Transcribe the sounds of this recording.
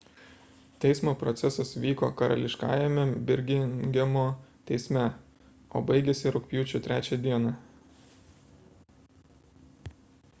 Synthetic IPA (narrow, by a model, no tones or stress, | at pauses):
t̪ʲɛɪsmoːpɾɔt̪sʲɛsɐsʋʲiːko̰ːkɐɾɐ̰lʲɪʃkɑ̰ːjɛmʲɛbʲɪɾʲɡʲɪnɡʲɛmoːt̪ʲɛɪsʲmʲɛ | o̰ːbɐɪɡʲeːsʲɪɾʊkʲpʲjuːt͡ʃʲʊt̪ʲɾʲæːt͡ʃʲɛd̪ʲiɛnɑ